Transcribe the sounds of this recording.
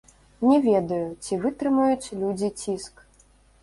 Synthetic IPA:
nʲɛvʲɛd̪ɐjut͡sʲivɨt̪ɾɨmɐjut͡sʲlʲud͡zʲit͡sʲisk

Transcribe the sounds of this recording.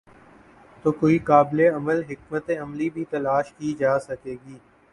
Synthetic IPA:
t̪oːkoːikaːbleɐməlɦɪk̚mət̪eɐmlibʱiːt̪ɐlaːʃkiːd͡ʒaːsəkeːɡiː

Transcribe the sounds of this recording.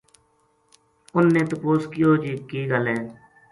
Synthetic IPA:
ʊnːeːt̪ʊpoːskɪjoːd͡ʒiːkiːɡəlɦɛ̃ː

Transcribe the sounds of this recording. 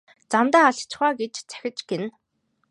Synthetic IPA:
t͡samt̪aːaɮt͡ɕ̆χaːɡet͡ɕt͡sæ̥xʲɪ̆t͡ɕɡ̥en

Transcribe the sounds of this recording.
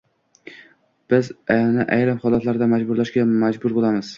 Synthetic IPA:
b̥ɪznɪʔajɾɪmχɒlˠat̪ʰlaɾɪd̪amad͡ʒbʊɾlaʃɡʲamad͡ʒbʊɾbolˠamɪz̥

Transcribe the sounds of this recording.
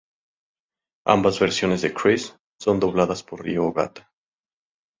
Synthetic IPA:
a̰mbazβeɾsjo̞nezðekɾisː | o̞nd̪o̞β̞laðaspo̞rrḭoɣa̰t̪ḁ

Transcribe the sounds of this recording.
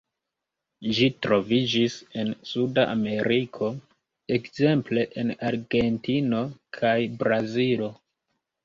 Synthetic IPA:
ʒitɾo̞vid͡ʒise̞nsudaʔame̞ɾikʰo̞ | ekze̞mple̞ʔenaɾɡe̞ntino̞kʰajbɾazilo̞

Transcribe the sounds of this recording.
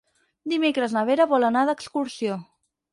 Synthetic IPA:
d̪imekɾəznəβ̞eɾəβɔlˠənaðəkskuɾsio

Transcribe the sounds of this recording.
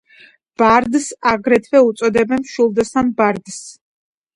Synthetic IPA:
b̥aɾd̪saɡɾɛt̪ʰvɛut̪sʼɔd̪ɛbɛnʃulˠd̪asambaɾd̪s

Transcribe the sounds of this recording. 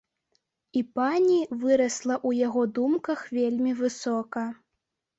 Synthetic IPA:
ipanʲivɨɾɐslˠɐʔujaɣɔd̪umkɐxvʲelʲmʲivɨsɔkɐ

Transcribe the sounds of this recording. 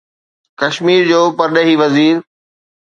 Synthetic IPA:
kɐʃmiːɾd͡ʑoːpɐɾɗəɦiʋɐziːɾ

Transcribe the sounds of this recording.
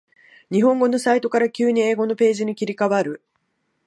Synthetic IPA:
ɲ̟iɦõ̞ŋɡo̞no̞sait̪o̞kaɾakʲɨːɲ̟ieːɡo̞no̞pe̞ːʑiɲ̟ikʲiɾʲikaβaɾɯ̟

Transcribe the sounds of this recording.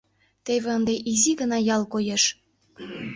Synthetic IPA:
t̪eβeənd̪eʔiziɣənɑjɑlkojeʃ

